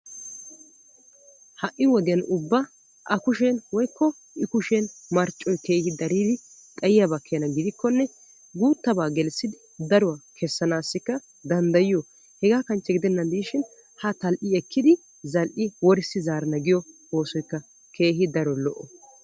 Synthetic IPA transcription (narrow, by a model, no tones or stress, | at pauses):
hɐʔːɪwɔd̪ɪjɐnʊbːɐ | ʔɐkʊʃɛnwɔjkːɔ | ʔɪkʊʃɛnmɐɾt͡ʃʼːɔjke̞ːhɪd̪ɐɾiːd̪ɪ | t̪ʼɐjɪjɐbɐkʰːɛjɐnɐɡɪd̪ɪkːɔnːɛ | ɡuːt̪ːɐbaːɡɛlsːɪd̪ɪ | d̪ɐɾʊwakʰɛsːɐnaːsːɪkːɐ | d̪ɐnd̪ɐjɪjɔ | hɛɡaːkɐnt͡ʃːɛɡɪd̪ɛnːɐnd̪iːʃɪn | hɐt̪ɐlʔɪɛkʰːɪd̪ɪ | zɐlʔɪwɔɾɪsɪzaːɾɐnɐɡɪjɔ | o̞ːsɔjkːɐ | kʰe̞ːɦɪd̪ɐɾɔlɔʔɔ